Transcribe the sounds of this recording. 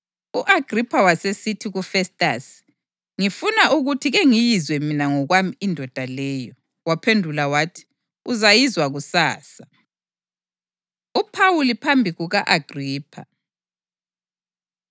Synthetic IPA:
uʔaɡ̥ʱripʰawasesitʰiɣufɛstʼa̰s | ŋifunaʔuɣutʰiɣeŋijizwɛminaŋɔɣwamiindʱɔd̥ʱalɛːjɔ | wapʰendʱulawaːtʰi̥ | uzajizwaɣusaːsa | upʰawulipʰambʱiɣuɣaʔaɡ̥ʱriːpʰa

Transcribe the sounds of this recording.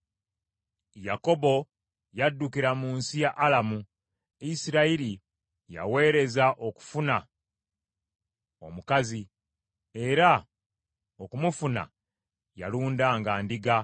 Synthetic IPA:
jako̞bo̞ | jadːukiɾamuːnsijaʔːlamu | isiɾaiɾi | ja̰we̞ːɾe̞zaʔo̞ku̥funa | o̞̰mukazi | e̞ɾa | okumufuna̰ | ja̰luːndaːŋɡaːndiɡa

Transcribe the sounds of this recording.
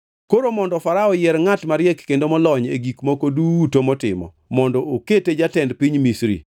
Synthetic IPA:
koɾomɔndɔfaɾaɔjɛɾŋatmaɾjɛkːendomɔlɔɲeɡikmokoduwutomɔtɪmɔ̰ | mɔndɔoketed͡ʒatɛndpiɲmisɾḭ

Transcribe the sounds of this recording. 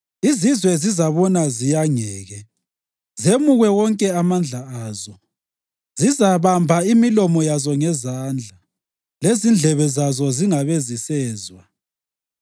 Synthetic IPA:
izizwɛzizaβɔnazijaŋɛːɣɛ | zemuɣɛwɔŋkʼɛamand͡ɮʱaaːzɔ | zizaβambʱaimilɔmɔjazɔŋɛzaːnd͡ɮʱa | lezind͡ɮʱɛβɛzazɔziŋaβezisɛːzwa

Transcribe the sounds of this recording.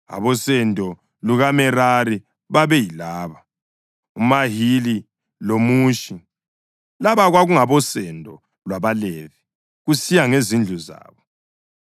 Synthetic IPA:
a̰βɔsɛndʱɔ | luɣamɛɾaɾi | βaβɛjilaːβa | umaɦili | lomuːʃi | laβaɣwaɣuŋaβɔsɛndʱɔ | lwaβalɛvi | ɣusijaŋezind͡ɮʱuza̰ːβɔ

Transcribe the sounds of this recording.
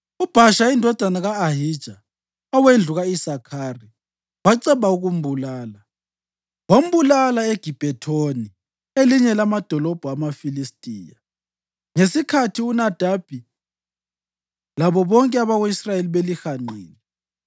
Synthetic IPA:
ub̥ʱaʃaindʱɔd̥ʱanaɣaːɦid̥ʒ̥ʱa | ɔwend͡ɮʱuɣaisakʰari | βaǀɛβauɣum̩bulaːla | wom̩bulalaeɡ̥ʱib̥ʱɛtʰoni | eliɲɛlamad̥ʱɔlɔb̥ʱuamafilistʼiːja̰ | ŋesikʰatʰiunad̥ʱab̥ʱi | laβɔβɔŋkʼɛaβaɣoisrajeliβelixanḛːni

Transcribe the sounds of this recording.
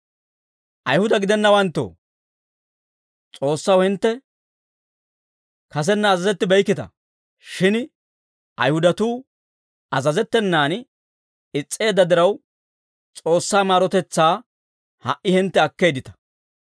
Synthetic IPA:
ʔɐjhʊd̪ɐɡɪd̪ɛnːɐwɐnt̪ːo̰ː | t͡sʼo̞ːsːɐwhɪnt̪ːɛ | kɐs̬ɛnːɐːzɐzɛt̪ːɪbɛjkːɪt̪ɐ̰ | ʃɪn | ʔɐ̰jhʊd̪ɐt̪uː | ɐzɐzɛt̪ːɛnːaːn | ɪt͡sʼːe̞ːd̪ːɐd̪ɪɾɐw | t͡sʼo̞ːsːaːmaːɾɔt̪ɛt͡sːaː | hɐʔʔɪhɪnt̪ːɛɐkːe̞ːd̪ɪt̪ɐ̥

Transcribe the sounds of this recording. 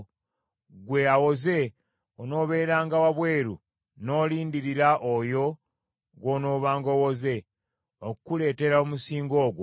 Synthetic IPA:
ɡwe̞awo̞ze̞ | ono̞ːβe̞ːɾaːŋɡawaβweːɾṵ | no̞ːliːndiɾiɾaʔojo̞ | ɡwoːno̞ːβaːŋɡo̞woze̞ | okkule̞ːte̞ɾaomusiːŋɡo̞ːɡwo

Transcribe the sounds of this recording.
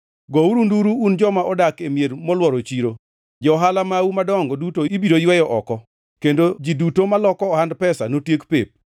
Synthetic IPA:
ɡɔuɾunduɾuːnd͡ʒɔmaɔdakemjeɾmɔlwɔɾot͡ʃiɾo | d͡ʒɔɦalamawumadɔŋɡɔdutoibiɾojwɛjɔʔɔkɔ | kendod͡ʒidutomalɔkɔːhandpɛsanotjekpep̚

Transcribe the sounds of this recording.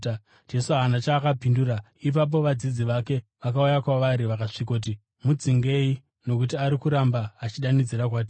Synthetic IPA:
d͡ʒe̞suaɦanat͡ʃaːkapinduɾa | ip̬ap̬o̞ʋad͡zid͡ziʋake̞ʋakaujakwaʋaɾiʋakaʂikot̬i | mud͡ziŋɡe̞i | no̞kut̬iaɾikuɾambaːt͡ʃiɗanid͡ziɾak̬waːt̬i

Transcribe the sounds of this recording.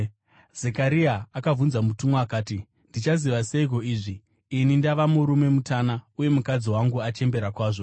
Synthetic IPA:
zekaɾiaːkavunzamutumoakaːti | ndit͡ʃaziʋaseiko̞iːʐiː | nindaʋamuɾume̞mutaːnauje̞mukad͡ziwaŋɡuat͡ʃe̞mbe̞ɾakwaːʐo̞

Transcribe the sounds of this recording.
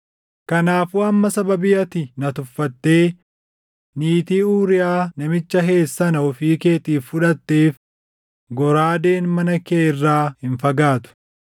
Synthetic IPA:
kɐnaːfuːɐmːɐsɐbɐbɪjɐt̪ɪnɐt̪ʊfːɐt̪ːe̞ː | niːt̪iːuːɾɪjaːnɐmɪt͡ʃːɐɦe̞ːsːɐnɐɔfiːke̞ːt̪iːfːʊᶑɐt̪ːeːf | ɡɔɾaːd̪e̞ːnmɐnɐkeːɪrːaːhɪnfɐɡaːt̪ʊ̥

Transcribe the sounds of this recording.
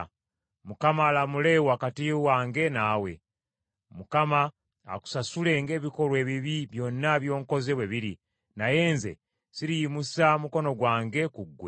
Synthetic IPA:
mukamaːlamule̞wakatiwaːŋɡe̞naːwe̞̰ | mukama̰ː | ku̥sasule̞ŋɡe̞ːβiko̞lwe̞ːβiβiβjo̞nːaβjo̞ːŋko̞zeβwe̞βiɾi | naje̞ːnze̞̰ | siɾijimusamuko̞no̞ɡwaːŋɡekuɡːwe

